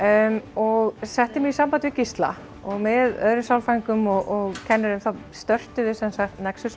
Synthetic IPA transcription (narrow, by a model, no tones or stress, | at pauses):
mɔɣsɛht̪ɪmɛisampant̪ɪɪcist̪la̰ | ɔɣmɪðœ̰ðɾʏmsawlfaŋkʏmɔɣʔɔɣcʰɛnːɪɾʏmθast̪œr̥t̪ʏðɪsɛnsaxt̪nɛksʏs